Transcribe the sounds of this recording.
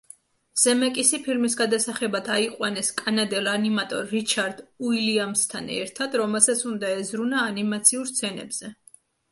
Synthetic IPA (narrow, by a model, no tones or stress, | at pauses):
z̥ɛmɛkʼisipʰilmisɡad̪asaχɛbad̪ʰaiqʼwanɛskʼanad̪ɛlanimat̪ʼɔɾːit͡ʃʰaɾd̪uiliamst̪ʰa̰nɛ̰ɾt̪ʰad̪ɾɔmɛlˠsat̪sʰund̪aɛzɾunaːnimat̪sʰiuɾst̪sʰɛnɛ̰bz̥ɛ